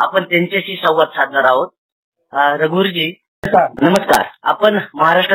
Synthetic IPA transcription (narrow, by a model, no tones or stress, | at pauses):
a̰pəɳt̪jaɲt͡ɕeɕiːsəwʋət̪sad̪̚ʱnaɾaɦot̪̚ | ɾəɡuːɾd͡ʑiː | nəməska̰ɾa̰pəɳməɦaɾaʂʈɾə